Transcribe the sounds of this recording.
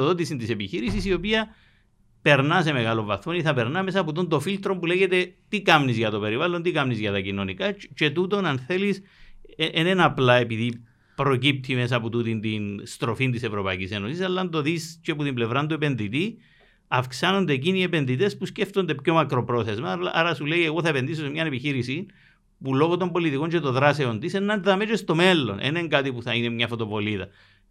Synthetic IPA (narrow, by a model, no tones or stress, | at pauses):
oðot̪isint̪ise̞piçiɾisisio̞piɐ | pe̞ɾnɐse̞me̞ɣɐlo̞ɱvɐθoniθɐpe̞ɾnɐme̞sɐput̪̬ond̪ofilt̪ɾo̞mpule̞ʝe̞t̪e̞t̪ikɐmnizʝɐt̪o̞pe̞ɾivalːont̪ikɐmnizʝɐt̪ɐcino̞nikɐt͡ʃe̞t̪ut̪o̞nɐnθe̞lis | ʔenenɐplɐe̞piði | pɾo̞cip̚t̪ʰime̞sɐput̪ut̪int̪inst̪ɾo̞fint̪ise̞vɾo̞pɐicise̞nosisɐlːɐnd̪o̞ðist͡ʃeput̪imble̞vɾɐnd̪ue̞pe̞nðit̪i | ɐfksano̞nd̪e̞ːciniepe̞nðit̪e̞spusce̞ft̪o̞nd̪e̞pço̞mɐkɾo̞pɾo̞θe̞zmɐl̰ʔaɾɐsuleie̞ɣo̞θɐepe̞nd̪is̬osemɲɐne̞piçiɾisin | pulo̞ɣot̪o̞mbolit̪iko̞ɲt͡ʃe̞t̪o̞ðɾase̞o̞nt̪isenːɐnðɐmet͡ʃest̪o̞me̞lːo̞̰nʔḛneŋɡat̪ipuθɐinemɲɐfo̞t̪o̞po̞liðɐ